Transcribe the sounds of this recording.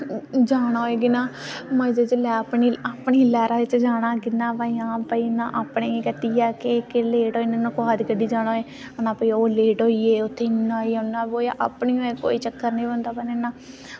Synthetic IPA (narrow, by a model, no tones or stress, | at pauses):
d͡ʒaːɽ̃aːeːɡɪnãːmə̃d͡ʒet͡ʃlɛːpniaːpɳiːlɛːɾaːɪt͡ʃd͡ʒaːɽ̃ãːkɪnːãːpaːiãːpəiːnãːʔaːpɳeːiːkət̪iːjaːkɪkɪleːʈoːiːnãːnõːkoɦaːd̪ikəɖiːd͡ʒaːɽ̃oːeː | ənãːpəiːoːleːʈoːiːeːʊt̪ʰːeːnːaːiːʊnːaːboːjaʔa̰pɳioːeːko̰ːiːt͡ʃəkːəɾnĩːbənd̪aːpənenãː